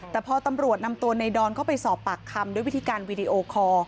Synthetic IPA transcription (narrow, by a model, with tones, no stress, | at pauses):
t̪ɛː˨˩pʰɔː˧t̪a˧mɾu˨˩ət̪̚na˧mt̪u˧əna˧jdɔː˧nkʰa˥˩wpa˧jsɔː˨˩pːaː˨˩kʰːa˧mdu˥˩jwi˦˥t̪ʰiː˧kaː˧nwiː˧di˧ʔoː˧kʰɔː˧